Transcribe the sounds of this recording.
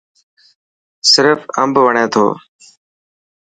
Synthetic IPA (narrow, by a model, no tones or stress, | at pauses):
sɪɾfə̰mbʋəɳẽːt̪ʰo̰ː